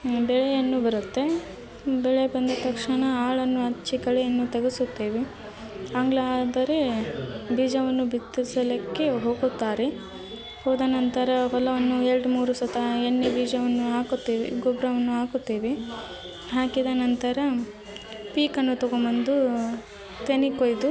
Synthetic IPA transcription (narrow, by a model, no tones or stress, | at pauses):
bɛɭejɐnːubɐɾut̪ːe̞ | bɛɭebɐnd̪ɐt̪ɐkʂɐɳɐaːɭɐnːuɐt͡ʃːikɐɭejɐnːut̪ɐɡesut̪ːeːʋi | ɐŋɡlaːd̪ɐɾe | biːd͡ʒɐʋɐnːubit̪ːisɐlɐkːeɦoːɡut̪ːaːɾe | hoːd̪ɐnɐnt̪ɐɾɐpɐlɐʋɐnːuelɖmuːɾusɐt̪ʰɐeɳːebiːd͡ʒɐʋɐnːuɦaːkut̪ːiːʋḛɡɔbɾɐʋɐnːuaːkut̪ːeːʋe | ɦaːkid̪ɐnɐnt̪ɐɾɐ | piːkɐnːut̪ɔɡomɐnd̪u | t̪enikojd̪u